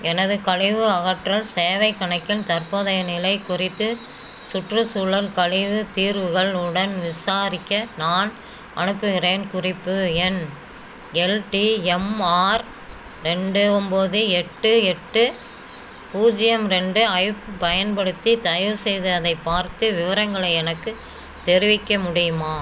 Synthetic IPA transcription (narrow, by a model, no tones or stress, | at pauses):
ɛnɐðɯkɐɻɪʋɯɐɣɐʈrɐlseːʋɐɪkːɐɳɐkːɪnt̪ɐɾpoðɐjɐnɪlɐɪkːʊrɪt̪ːɯ | sʊʈrɯsuːɭɐɾkɐɻɪʋɯt̪iːɾʋɯɣɐɭɯɽɐnʋɪsaːɾɪkːɐnaːn | ʔɐ̰ɳɯpːɯɣɪreːnkʊrɪpːɯɛn | ɛlʈiɛmaːɾ | ɾɛɳɖɯɔmboðɯɛʈːɯɛʈːɯ | puːd͡ʒɪjɐmɾɛɳɖɯɐɪpːpɐjɐnpɐɽɯt̪ːit̪ɐjɾsɛjðɯɐðɐɪpːaːɾt̪ɯʋɪʋɐɾɐŋɡɐɭɐɪɛnɐkːɯ | t̪ɛɾɪʋɪkːɐmʊɽɪjɯmaː